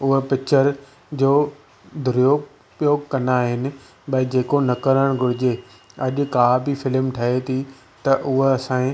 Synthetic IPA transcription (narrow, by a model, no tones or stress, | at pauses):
ʊɦpɪt͡ɕəɾ | d͡ʑoː | d̪ʱʊɾijoː | pijoːɡkɐnaːɦɪnɪ̆ | ɓɐid͡ʑeːkonɐkəɾəɽ̃ɡʱʊɽɪd͡ʑe | ɐʄʊ̆kaːbifɪlmʈʰɐɦet̪ʰi | t̪ɐʔʊɦeɐsãː